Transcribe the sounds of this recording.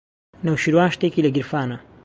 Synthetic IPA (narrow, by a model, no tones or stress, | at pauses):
nɐwʃiɾwaːnʃt̪eːkiːlɐɡiɾfaːnɐ